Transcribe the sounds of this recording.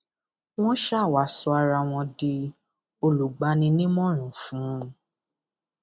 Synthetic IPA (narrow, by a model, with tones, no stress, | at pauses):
w̃ɔ̃˦ʃa˦˨wa˨˦˨sɔ˧a˧ɾa˧w̃ɔ̃˧di˧ | o˧lu˨ɡ͡ba˨˦nĩ˧nĩ˦mɔ̃˦ɾ̃ɔ̃˨fũ˨˦˧